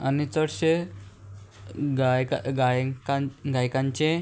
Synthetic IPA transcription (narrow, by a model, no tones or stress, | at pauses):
anit͡səɽɕe | ɡajkaɡajkaɡʱajkãɲt͡ɕe